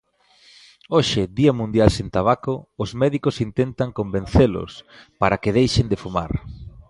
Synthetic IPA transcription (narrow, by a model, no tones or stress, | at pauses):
oʃɪðiɐmũnd̪jalsent̪aβakoːzmɛðikosint̪ent̪aŋkombẽnθelʊ̰spaɾakɪð̞ejʃend̪ɪfuma̰ɾ